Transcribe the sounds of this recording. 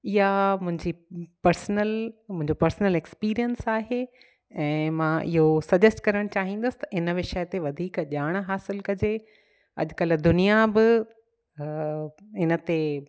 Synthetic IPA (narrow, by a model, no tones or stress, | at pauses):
ɪɦamʊ̃ɦɪ̃ɲd͡ʑipɐɾsnəlmʊ̃ɦɪ̃ɲd͡ʑopɐɾsnəlekspiːɾijənsaːɦe | ɛ̃ːmãʔɪɦosɐd͡ʑəsʈkɐɾəɽ̃t͡ɕaːɦĩːn̆d̪əsɪ̥t̪ɐʔɪnəʋɪʃət̪eʋɐd̪ʱiːkʄaːɽ̃ɦaːsɪlkɐd͡ʑe | ɐ̰ʄkɐld̪ʊnijabɪ | ɪnə̆t̪e